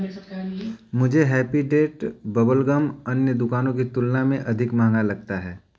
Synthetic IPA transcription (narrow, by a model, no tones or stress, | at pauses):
mʊd͡ʒʱeɦɛːpiɖeːʈbɐbəlɡəmɐnjəd̪ʊkaːnõkit̪ʊlnamẽʔɐd̪ʱɪkmãːŋɡalɐɡt̪aɦɛː